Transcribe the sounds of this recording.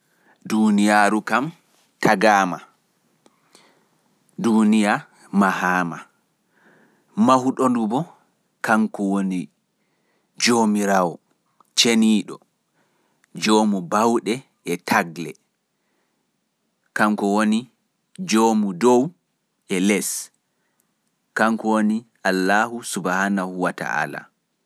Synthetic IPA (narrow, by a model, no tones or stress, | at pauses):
dunijaːɾukam | tʰaɡaːma̰ | dunija | mahaːma | mahuɗondubɔ | kaŋkɔwoni | d͡ʒomiɾawɔ | t͡ʃeniːɗɔ | d͡ʒoːmubawɗɛ | ɛtʰaɡlɛ | kaŋkɔwoni | d͡ʒomudow | ɛlɛs | kaŋkɔwoniʔalːaːhusubahanahuwata̰ʔa̰la̰